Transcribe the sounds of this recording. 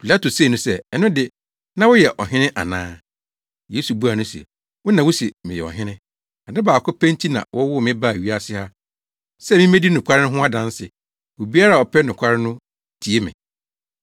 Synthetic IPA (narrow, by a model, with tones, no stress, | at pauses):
pʰi˨la˦to˨seː˦˨nʊ̃˦sɛ˦ɛ˨nʊ̃˦dɪ˨ | nã˦wʊ˦jɛ˨ʔɔ̰˨ɦɪ̃˦nɪ̃˦ʔa̰˨nã̰ː˦ | je˦su˨bu˦a˨nʊ̃˦sɛ˨ | wʊ˦nã˨wʊ˦si˨mɪ̃˨jɛ̰˨ɔ̰˨ɦɪ̃˦nɪ̃˦ | a˨nɪ̃˦baː˨kʰʊ˦pʰɛ̃˦ntʰi˦nã̰˨wɔ˦wʊ˦˨mɪ̃˦ba˦˨ɥi˦a˦sɪ˦ha˦ | sɛ˦˨mĩ˦mẽ˦di˦nʊ̃˨kʰʷa˦ɾɪ˦nʊ̃˦ɦʊ̃˦a˦dã˨n˦sɪ˨ | wo˨bi˦a˦ɾa˦˨ɔ˨pʰɛ˦nʊ̃˨kʷʰa˦ɾɪ˦nʊ̃˦ | tʰi˨e˦mɪ̰̃˨